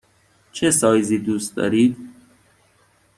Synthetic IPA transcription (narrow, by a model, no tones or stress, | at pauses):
t͡ʃʰesɒːjziːd̪uːst̪̚d̪ɒ̰ːɾiːd̪